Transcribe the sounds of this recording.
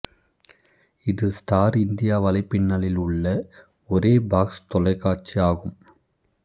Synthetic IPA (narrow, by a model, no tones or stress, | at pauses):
ɪðɯsʈaːɾɪnd̪ɪjaːʋɐlɐɪpɪnːɐlɪlʊɭːɐ | ɔɾeːbaːkst̪ɔlɐɪkːaːt͡ʃːiaːɣɯm